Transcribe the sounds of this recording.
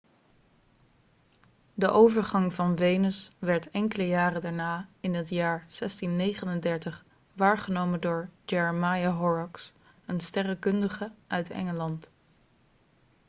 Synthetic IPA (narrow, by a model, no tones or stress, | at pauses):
dəʔowvəɹχɑŋvɑnvejnəsʋɛɹtɛŋkələjaːrədaːɹnaːɪnɦətjaːɹsɛstinːejχənəndɛɹtəχ | ʋaːɹχənowməndʊːɹd͡ʒɛɹəmajaɦɔɹɔks | ənstɛrəkɵndəχəʔœɥtɛ̰ŋəlɑnt